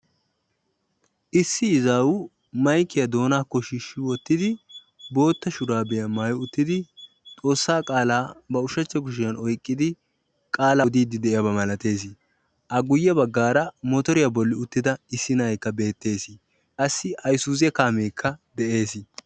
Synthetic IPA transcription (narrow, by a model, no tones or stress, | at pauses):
ʔɪsːɪɪzaːwʊ | mɐjkːɪjɐd̪o̞ːnaːkːɔʃɪʃːɪwɔt̪ːɪd̪ɪ | bo̞ːt̪ːɐʃʊɾaːbɛjɐmaːjʊʊt̪ːɪd̪ɪ | t̪ʼo̞ːsːaːkʼaːlaːbɐʊʃɐt͡ʃːɛɡʊʃ̬ɪjɐnɔjkʼːɪd̪ɪ | kʼaːlɐd̪iːd̪ɪd̪ɛɪjɐbɐmɐlɐt̪e̞ːs̬ɪ | ʔɐɡʊjːɛbɐɡːaːɾɐmɔt̪ɔɾɪjabɔlːɪʊt̪ːɪd̪ɐɪsːɪnɐjkːɐbe̞ːt̪ːe̞ːsɪ | kʼɐsːɪʔɐjsuːzɛkaːmeːkʰːɐd̪ɛʔe̞ːsɪ